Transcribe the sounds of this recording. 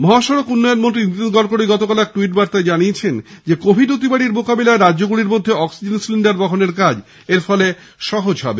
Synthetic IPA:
mɔɦaʃɔɾokunːɔjonmont̪ɾiinid̪ɡɔɾkoɽiɡɔt̪okalɛk̚ʈuiʈ̚baɾt̪aed͡ʑaniet͡ɕʰend͡ʑekobʱiɖot̪̬ibaɽiɾmokabelaeɾaʑoɡuɽiɾmod̪ʱːeɔksid͡ʑensliɳɖaɾbɔkʰoneɾkad͡ʑ | eɾfɔle | ʃɔɦod͡ʑɦɔ̰be

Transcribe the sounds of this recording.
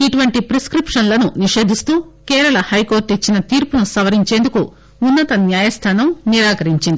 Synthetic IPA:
iʈuʋɐɳʈipɾeskɾipʂɐnlɐnuniʂe̞ːd̪ʱist̪uːkɛːɾɐɭɐhɐjko̞ːɾʈit͡ʃːinɐt̪iːɾpunusɐʋɐɾiɲt͡ʃe̞ːnd̪uku | unːɐt̪ɐnjaːjɐst̪ʰaːnɐmniɾaːkɐɾiɲt͡ʃind̪i

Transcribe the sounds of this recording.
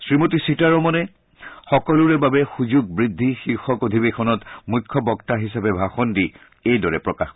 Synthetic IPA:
sɹimotisitaɹɔmɔnɛ | xɔkɔlʊɹɛbabɛxuzuɡ̚bɹidʱːixiɹxɔkodʱibekʰɔnɔtmukʰːɔbɔktaɦisapɛbʱaxɔndi | ejdɔɹɛpɹɔkax

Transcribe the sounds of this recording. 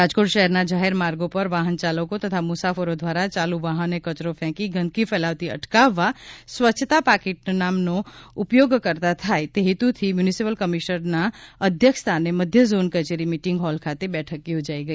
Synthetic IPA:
ɾaːd͡ʒkoːʈʃəɦɛɾnad͡ʒaɦeɾmaːɾɡopəɾʋaːɦənt͡ʃaːləkot̪ət̪ʰamusafʰəɾod̪ʱʋaːɾat͡ʃaːluʋaːɦənekət͡ʃɾopʰɛ̃ːkiɡʱə̃nkifʰɛlaːʋt̪iə̰ʈkaʋasʋətːʃʰət̪apaːkeʈ̚naːmnoʊpjoɡkəɾt̪at̪ʰaet̪eɦit̪ut̪ʰimjunisipəlkəmiʃnəɾnaəd̪ʱjəkʃt̪ʰaneməd̪ʱjəzonkət͡ʃeɾimiʈɪ̃ŋɡɦɔːlkʰat̪ebɛːʈʰəkːeɦʊd͡ʒaːiɡəi

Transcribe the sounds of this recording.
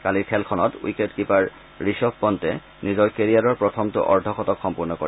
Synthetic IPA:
kaliɹkʰɛlkʰɔnɔtwḭketkipaɹ | ɹiʃɔbpɔntɛ | nizɔjkeɹiaɹɔɹpɹɔt̪ʰɔmtʊ̰ʔɔɹdʱɔkɔtɔkxɔmpuɹnɔko̰i

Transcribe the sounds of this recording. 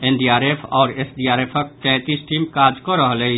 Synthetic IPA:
enɖiaːɾeːpʰɔːɾesɖiːaːɾeːpʰək̚t̪ɛ̃ːt̪isʈiːmkaːd͡ʒkəɾəɦlei

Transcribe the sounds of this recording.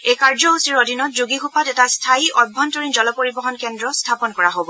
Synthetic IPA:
ejkaɹzɔɦusiɹodʱinɔt̚zuɡixʰupatɛtastʰaiɔbʱːɔntoɹinzɔlɔpoɹibɔɦɔnkɛndɹɔstʰapɔnkɔɹaɦobɔ

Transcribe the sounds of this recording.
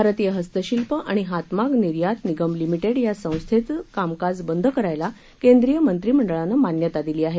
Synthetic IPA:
bʱaɾət̪ijəɦəst̪əɕilpəʔaɽ̃iɦat̪makniɾjat̪niɡəmlimiʈeɽjasə̃w̃st̪ʰet͡skamkad͡zbənd̪ʱəkəɾajla | kend̪ɾijəmənt̪ɾiːm̤əɳɖəɭanːəmanjət̪ad̪iliːaɦe

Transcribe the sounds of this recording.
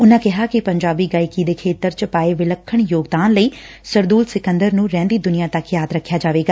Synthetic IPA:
ʊnãːkɪɦaːkɪpəɲd͡ʒaːbiːɡaːiːkiːd̪eːkʰeːt̪əɾt͡ʃəpaːeːʋɪləkʰːəɳjoːɡd̪aːnləiː | səɾd̪uːlsɪkə̃nd̪əɾnũːɾɛ̃ːnd̪iːd̪ʊnɪijãːt̪əkjaːd̪ɾəkʰːjaːd͡ʒaːʋeːɡaː

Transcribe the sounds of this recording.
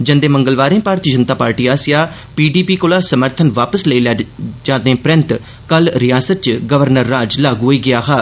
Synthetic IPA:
d͡ʒə̃nd̪eːmə̃ŋɡəlʋaːɾẽːpaːɾt̪iːd͡ʒənt̪aːpaːɾʈiːaːsɪjaː | piːɖiːpiːkolaːsəməɾt̪ʰənʋaːpəsləiːld͡ʒaːd̪ẽːpɾɪ̃nt̪ | kəlɾɪjaːsət̪̚t͡ʃɡəʋəɾnəɾːaːd͡ʒlaːɡoːiːɡɪjaːɦaː

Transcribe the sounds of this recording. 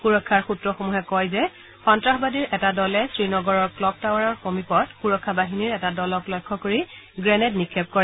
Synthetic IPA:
xuɹɔkʰːaɹxutɹɔxomuɦɛkɔjzɛ | xɔntɹaxbadiɹʔɛtadɔlɛsɹinɔɡɔɹɔɹklɔk̚tawaɹɔɹxomipɔtxuɹɔkʰːabaɦiniɹɛtadɔlɔklɔjkʰːɔkoɹiɡɹɛnɛtnikʰːɛp̚kɔɹɛ

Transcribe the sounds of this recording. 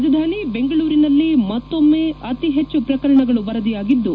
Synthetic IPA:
d͡ʒɐd̪ʱaːnibe̞ŋɡɐɭuːɾinɐlːimɐt̪ːo̞mːe̞ːʔɐt̪iɦe̞t͡ʃːupɾɐkɐɾɐɳɐɡɐɭubɐɾɐd̪ijaːɡid̪ːu

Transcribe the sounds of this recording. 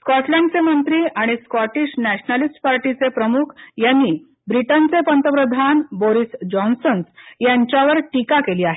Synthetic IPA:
skɔʈljaɳɖt͡semənt̪ɾiːʔaɽ̃iskɔʈiːɕnæɕnalisʈpaɾʈit͡sepɾəmukʰjanːiː | bɾiʈənt͡sepənt̪əpɾəd̪ʱanboɾisd͡ʑɔnsənsjaɲt͡ɕjaʋəɾʈikakeliːaɦe

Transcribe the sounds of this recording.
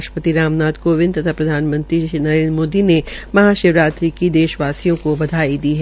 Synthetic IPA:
ʃəpət̪iɾaːmnaːd̪koːʋɪ̃nt̪ɐt̪ʰapɾɐd̪ʱaːnmə̃nt̪ɾinɐɾẽːnɾmoːd̪inemɐɦaːʃɪʋɾaːt̪ɾikid̪eːʃʋaːsijõkobɐd̪ʱaːid̪iɦɛ

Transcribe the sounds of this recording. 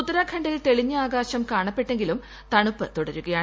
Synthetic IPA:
ut̪ːɐɾɐkʰɐɳɖilt̪e̞ɭiɲːɐaːɡaːɕɐmkaːɳɐpːe̞ʈːeŋɡilum | t̪ɐɳupːɨt̪uɽɐɾuɣɐjaː

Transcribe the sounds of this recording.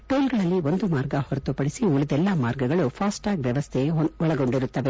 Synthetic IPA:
ʈoːlɡɐɭɐlːio̞nd̪umaːɾɡɐhɔɾɐt̪upɐɽisiulid̪ɛlːɐmaːɾɡɐɡɐɭupʰaːsʈaːɡʋjɐʋɐst̪ʰeɔɭɐɡo̞ɳɖiɾut̪ːɐʋe̞

